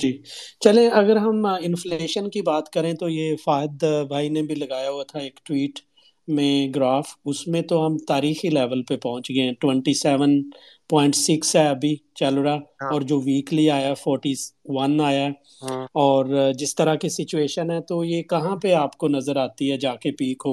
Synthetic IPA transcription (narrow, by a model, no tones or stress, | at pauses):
d͡ʒiːt͡ʃɐlẽʔɐɡəɾɦɐmɪ̃nfleːʃənkibaːt̪kɐɾẽt̪ojefaːɦɪd̪bʱaːinebʱilɐɡaːjaɦuat̪ʰaeːkʈwiːʈ | mẽɡɾaːfʊsmẽt̪oɦɐmt̪aːɾiːxilɛːʋəlpepɐɦʊ̃t͡ʃɡɐẽʈwɛ̃ɳʈisɛːʋən | pɔ̃ːɪ̃ɳʈsɪksɦɛɐbʱit͡ʃɐlɾaɔːɾd͡ʒoːʋiːkliaːjafɔːɾʈiʋɐnaːja | ɔːɾd͡ʒɪst̪ɐɾakisɪt͡ʃueːʃənɦɛt̪ojekɐɦãpeaːpkonɐzəɾaːt̪iɦɛd͡ʒaːkepiːkɦoː